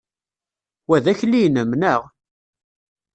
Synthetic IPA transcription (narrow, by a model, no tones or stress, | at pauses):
wæðæçlijnəmnəʁ